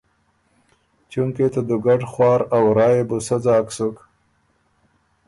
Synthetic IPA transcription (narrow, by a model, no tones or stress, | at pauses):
t͡ʃuŋket̪əd̪uɡaɖxwɑːɾawɾɑːjebusad͡zɑːksuk